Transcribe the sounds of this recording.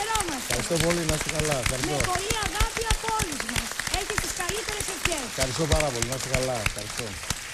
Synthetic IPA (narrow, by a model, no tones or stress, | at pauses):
ɾomɐsɐɾist̪opolinɐst̪ekɐlɐfxɐɾismopoliɐɣɐpiɐpoluzmɐseçist̪iskɐlit̪e̞ɾesefçesxɐɾis̬t̪opɐɾɐpo̞limɐst̪ekɐlɐfxɐɾist̪o